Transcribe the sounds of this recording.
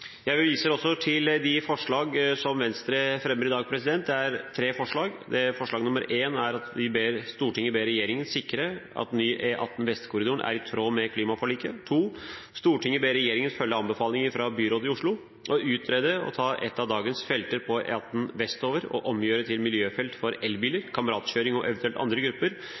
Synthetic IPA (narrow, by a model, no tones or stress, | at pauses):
jæɪʋiːsəɔsːɔt̪ʰɪld̪ɪfɔʂɭɑːɡsɔmʋɛnst̪ɾəfɾɛmːəɾɪd̪ɑːɡ̚pʰɾɛsɪd̪ɛnt̪̚d̪ɛæɾt̪ʰɾeːfɔʂɭɑːɡd̪ɛfɔʂɭɑːɡnʊməɾeːnæɾɑt̪ʋɪbeːɾst̪uːʈʰɪŋːəbeːɾɛjeːɾɪŋənsɪkːɾəɑ̰t̪nyːʔeʔɑ̰t̪ːn̩ʋɛst̪kʰʊɾɪd̪ʊɾəɳʔæ̰ɾɪt̪ʰɾoːmɛkʰliːmɑfɔɭiːkət̪ʰuːst̪uːʈʰɪŋːəbeːɾɛjeːɾɪŋənfœlːəɑnbəfɑːlnɪŋəɾfɾɑbyːɾoːt̪ɪʊʂɭʊ | ʔɔʉːt̪ɾɛːd̪əɔ̰t̪ʰɑːʔɛ̰t̪ːɑʋd̪ɑːɡənsfɛlt̪əɾpʰɔɛ̰ɑt̪n̩ʋɛst̪oːʋəɾɔ̰ʔɔmjøːɾət̪ʰɪlmɪljøːfɛlt̪fɔɾɛlbiːləɾkʰɑməɾɑːt̪ɕøːɾɪŋɔʔɛ̰ʋnt̪ʰʉɛlt̪ɑ̰nd̪ɾəɡɾʉpːəɾ